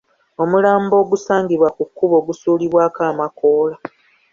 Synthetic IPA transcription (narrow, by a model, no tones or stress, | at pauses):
o̞mulaːmbo̞ːɡusaːŋɡiβwakukːuβo̞ːɡusuːliβwaːkaːmako̞ːla